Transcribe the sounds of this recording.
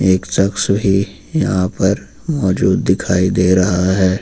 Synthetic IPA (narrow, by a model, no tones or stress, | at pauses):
eːktɐksɦi | jɐɦãpɐɾ | mɔːd͡ʒuːd̪ːɪkʰaːid̪eːɾɐɦaɦɛː